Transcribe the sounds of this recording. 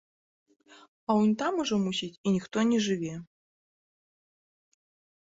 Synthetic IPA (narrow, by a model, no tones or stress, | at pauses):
ɐunʲt̪amuʐɔmusʲitʲinʲixt̪ɔnʲɛʐɨvʲɛ